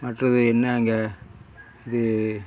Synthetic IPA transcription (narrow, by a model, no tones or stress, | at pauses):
mɐʈrɐðɯɛnːɐːŋɡɐ | ɪðɯ